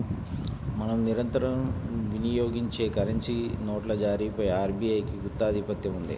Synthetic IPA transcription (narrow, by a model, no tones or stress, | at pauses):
mɐnɐmniɾɐnt̪ɐɾɐmʋinijoːɡiɲt͡ʃe̞ːkɐɾeɲt͡ʃinoːʈlɐd͡ʒaːɾiːpɐjaːɾbiːɐjkiɡut̪ːaːd̪ʱipɐt̪jɐmund̪ḭ